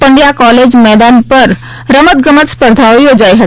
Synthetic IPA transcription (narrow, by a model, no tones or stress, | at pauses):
pə̃ɳɖjakɔːleːd͡ʒmɛːd̪aːnpɐɾ | ɾəmət̪̚ɡəmət̪spəɾd̪ʱaiɦod͡ʒaːiɦɐ